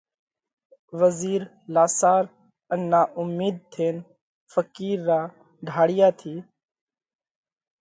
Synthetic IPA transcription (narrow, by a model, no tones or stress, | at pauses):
ʋəziːɾ | laːsaːɾ | ənːaːʔʊmːiːd̪̚t̪ʰeːn | fəkiːɾːaː | ɖʱaːɽɪjaːt̪ʰiː